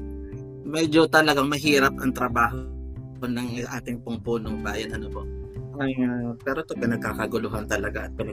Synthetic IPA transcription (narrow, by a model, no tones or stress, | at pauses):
mɛd͡ʒot̪ɐlɐɡɐŋmɐɦiːɾɐp̚ʔɐŋt̪ɾɐbaːɦ | nɐŋʔaːt̪ɪŋpʊŋpoːnoŋbaːjɐnɐnopo̰ʔʔɐjpɛːɾot̪opɪnɐɡ̚kaːkɐɡʊlʊɦant̪ɐlɐɡaʔɐt̪̚pɪnɐ